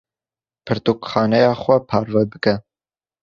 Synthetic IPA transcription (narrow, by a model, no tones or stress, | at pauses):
pʰɨɾt̪uːkxɑːnɛjɑːxʷɛpʰɑːɾvɛbɨkɛ